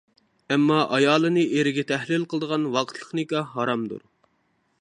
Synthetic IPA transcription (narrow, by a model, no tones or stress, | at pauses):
ɛmːɑʔɑjɑːlˠɨnɨeɾɪɡʲɛt̪ʰɛhlɪlqəlˠɨd̪əʁɑnwɑqʰət̪ʰlˠə̥χnɨkʲɑɦɑɾɑmd̪ṵɾ